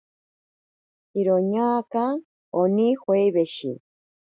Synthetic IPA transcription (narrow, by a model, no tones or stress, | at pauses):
iɾoɲaːka | onihwejβeʃḭ